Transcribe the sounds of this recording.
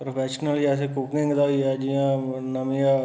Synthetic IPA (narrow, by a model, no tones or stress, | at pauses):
pɾopʰɛːʃnəliɛːs̬eːkʊkɪ̃ŋɡd̪aːɦoiɛːd͡ʒijãːnəmijãː